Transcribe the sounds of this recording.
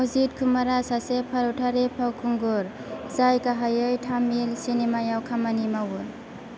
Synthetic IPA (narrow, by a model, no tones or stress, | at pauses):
awzit̚kʰumaɾasasepʰaɾɔwtʰaɾepʰawkʰuŋɡɔɾ | zajkaɦajɯjtʰamilsinemajawkʰamanimawun